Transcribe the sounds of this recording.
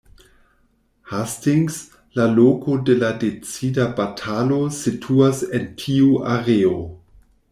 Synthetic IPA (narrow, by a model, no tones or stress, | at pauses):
hastiŋs | laloko̞deladet͡sidabatʰalositʰuasentʰiuʔaɾeo